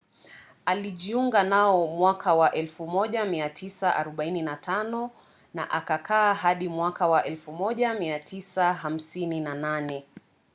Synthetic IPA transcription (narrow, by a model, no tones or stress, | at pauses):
aliʄiuŋɡanaɔmwakʰawaʔɛlfumɔʄamiatʰisaʔa̰ɾɔɓaininatʰanɔ | na̰ʔakakʰaːɦaɗimwakawaʔɛlfumɔʄamiatʰisaɦam̩sininananɛ